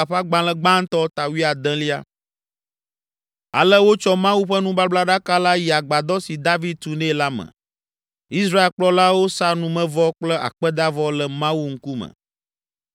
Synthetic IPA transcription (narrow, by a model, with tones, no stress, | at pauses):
a˨ɸa˦ɡ͡bã˨lɛ˦ɡ͡bã˦ŋ˦t̪ɔ˦t̪a˨wi˦a˨d̪ɛ̃˦li˦a̰˦ | a̰˨lə˦wo˦t͡ʃɔ˦mã˦wu˦ɸə˦nũ˦ba˦bla˦ɖa˦ka˦la˦ji˨a˨ɡ͡ba˨d̪ɔ˦si˨d̪a˦vi˦d̪̚t̪u˨nɛ̃˦la˦mɛ̰̃˨ | i˦sɾa˦e˨lk͡plɔ˦la˦wo˦sa˦nũ˨mɛ̃˦vɔ˦k͡plɛ˦ʔa̰˨k͡pɛ˦d̪a˦vɔ˦lə˨mã˦wu˦ŋ̩˦ku˦mɛ̰̃˨